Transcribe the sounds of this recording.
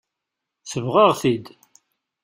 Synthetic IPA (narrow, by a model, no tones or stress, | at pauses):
θəvʁəʁθid̪